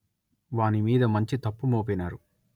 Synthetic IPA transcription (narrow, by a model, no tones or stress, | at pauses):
ʋaːnimiːd̪ɐmɐɲt͡ʃit̪ɐpːumoːp̬enaːɾu